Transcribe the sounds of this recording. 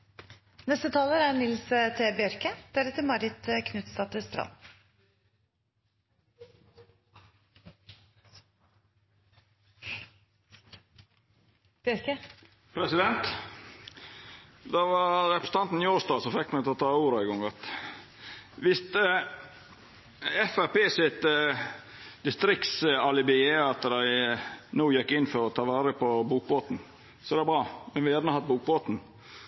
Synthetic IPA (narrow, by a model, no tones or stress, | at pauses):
nɛst̪ət̪ʰɑːləɾæɳɪlsət̪ʰebɪœɾkəd̪̥æɾət̪ʰɪmɑɾɪt̪əkʰnʉt̪st̪ɑt̪əst̪ɾɑ̰nː | b̥œɾkə | pʰɾɛsɪd̪ɛnt̪ | d̪ɑʋɑɾɛpɾəst̪ɑnt̪n̩ɪoːsd̪ɑːsɔfɛkːmæɪt̪ʰɔt̪ʰɑːuːɾəæɪɡɔŋɑt̪ | ʋɪst̪ | ɛfæɾpeːsɪt̪ | d̪̥ɪst̪ɾɪk̪sɑlɪbɪeːɑt̪d̪æɪnuːjɛkːɪnːfɔɾɔt̪ʰɑːʋɑːɾəpɔbuːk̚boːt̪n̩ | sɔɛd̪ɛbɾɑːmɛnʋɪjæːɾnəhɑt̪̚buːk̚boːt̪n̩